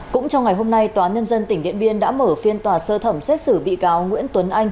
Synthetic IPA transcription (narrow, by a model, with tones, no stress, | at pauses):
kʊ̰˧˥ŋ͡mt͡ɕɔ˧wŋa˨˩jɦo˧mna˧jt̪waː˨˦ɲə˧nzə˧nt̪ï˧˩ŋ̟ɗḭ˧˨ənɓi˧ənɗa̰ː˧˥məː˧˩fi˧ənt̪waː˨˩səː˧t̪ʰə˧˩msɛ˦˥t̚sɨ˧˩ɓḭ˧˨kaː˨˦wŋwḭ˧˥ənt̪wə˨˦nʔa˧jŋ̟